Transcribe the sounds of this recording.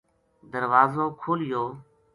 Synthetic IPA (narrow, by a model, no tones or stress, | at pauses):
d̪əɾʋaːzõːkʰoːlɪjoː